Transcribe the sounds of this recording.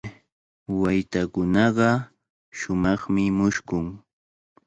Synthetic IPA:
wajt̪akʊnɑɢɑ | ʃʊmɑχmɪmʊʃkʊŋ

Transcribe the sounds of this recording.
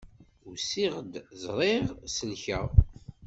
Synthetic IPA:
usiʁd̪zˤɾˤeʁsəlçæ

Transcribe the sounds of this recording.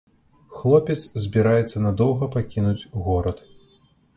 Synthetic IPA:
xlˠɔpʲɛt̪szʲbʲiɾajɛt̪sːɐnad̪ɔwɣɐpakʲinud͡zʲɣɔɾɐt̪

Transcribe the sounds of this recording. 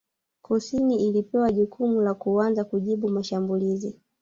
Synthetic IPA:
kusiniilipɛwaʄukʰumulakuanzakuʄiɓumaʃambulizi

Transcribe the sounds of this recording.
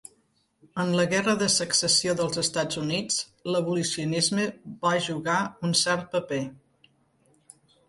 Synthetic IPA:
ənləɣɛrəðəsəksəsioðəlˠzəst̪ad͡zunit͡s | ləβulisiunizməβaʒuɣaunsɛɾt̪̚pəpe

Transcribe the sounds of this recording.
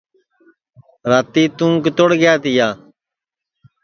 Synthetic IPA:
ɾaːt̪iːt̪ũːŋkt̪oɽɡɪjaːt̪ɪjaː

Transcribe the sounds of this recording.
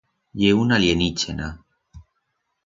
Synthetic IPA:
jeunaljenit͡ʃena

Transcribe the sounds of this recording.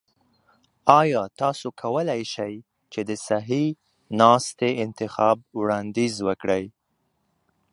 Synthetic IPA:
ɑjɑt̪ɑsokʰawəlajʃaj | t͡ʃed̪əsaɦi | nɑst̪eɪnt̪ɪxɑb̚wɽɑnd̪izwəkɽəj

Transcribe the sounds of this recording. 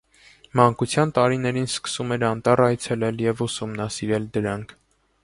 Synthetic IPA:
mɑŋkut͡sʰjɑnt̪ɑɾinɛɾinskə̥sumɛɾɑnt̪ɑrɑjt͡sʰɛlɛljɛvusumnɑsiɾɛld̪əɾɑŋkʰ

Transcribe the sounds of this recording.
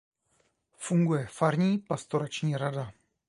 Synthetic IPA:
fuŋɡujɛfaɾɲiːpast̪oɾat͡ʃɲiːɾada

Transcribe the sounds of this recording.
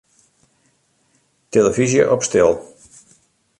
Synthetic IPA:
teləvizjə̰ʔɔpstɪlˠ

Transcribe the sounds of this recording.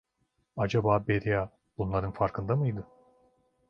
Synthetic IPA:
ad͡ʒabaːbeɾijaː | b̥unlˠaɾɯnfaɾkʰɯnd̪amɯjd̪ɯ

